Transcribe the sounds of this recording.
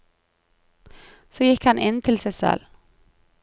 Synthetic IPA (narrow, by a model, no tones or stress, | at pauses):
soːjɪkhɑnʔɪnt̪ʰɪlsæɪsɛ̰l